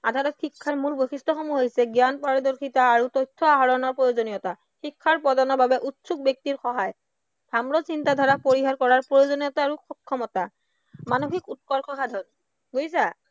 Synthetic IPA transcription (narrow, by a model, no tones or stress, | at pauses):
adʱatɔtxʰikʰːaɹmuɹboxistɔxomuɦojsɛɡjanpaɹɔdɔɹkʰitaːɹutojtʰːɔaɦɔɹɔnɔɹpɹojozonijɔta | xikʰːaɹpɔdanɔbabɛʔutsuk̚bjɔk̚tiɹxɔɦaj | dʱamɹɔsintadʱaɹapoɹiɦaɹkɔɹaɹpɹojozonijɔtaːɹuxɔkʰːɔmɔta | manoxikut̚kɔɹkʰɔxadʱɔn | ɡojs̬a